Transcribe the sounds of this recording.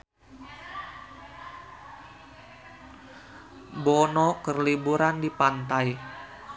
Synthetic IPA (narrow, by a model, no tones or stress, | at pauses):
bɔnɔkərlibuɾandipant̪aj